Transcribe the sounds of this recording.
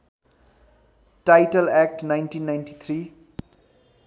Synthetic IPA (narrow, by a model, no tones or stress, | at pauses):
ʈajʈʌlak̚ʈnajnʈinːajnʈit̪ʰɾi